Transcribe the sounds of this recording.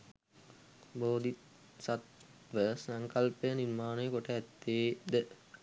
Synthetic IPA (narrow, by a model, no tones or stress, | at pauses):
boːd̪i | sat̪ | ʋəsaŋkəlpəjəniɾmaːnəjəkoʈəæt̪ːeːd̪ə